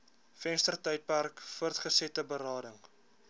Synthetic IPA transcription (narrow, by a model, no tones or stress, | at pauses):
fɛnstərtœjt̚pærkfuərtχəsɛtəbəɾɑːdəŋ